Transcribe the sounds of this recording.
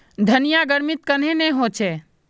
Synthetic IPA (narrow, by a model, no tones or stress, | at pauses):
d̪ʱənijaɡəɾmit̪̚kənenɛɦot͡ʃʰɛ